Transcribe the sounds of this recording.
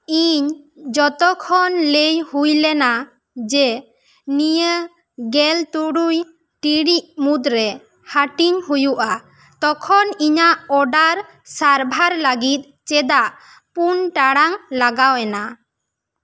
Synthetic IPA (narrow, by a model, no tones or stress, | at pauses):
iɲ | d͡ʒɔt̪ɔkʰɔnlejhujlɛna | d͡ʒɛ | nijə | ɡɛlt̪uɽuj | ʈiɽiʔmud̪ɾɛ | haʈiɲhujuʔa | t̪ɔkʰɔniɲaʔɔɖaɾ | saɾbʱaɾləɡit̪̚ˀ | t͡ʃɛd̪aʔ | punʈaɽaŋlaɡawɛna